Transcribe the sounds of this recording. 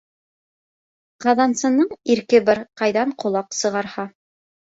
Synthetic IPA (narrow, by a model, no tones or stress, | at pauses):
qɑðɑnsɤ̆nɤɴiɾkɘbɑɾqɑjðɑɴqŏlˠɑqsɤ̆ʁɑɾhɑ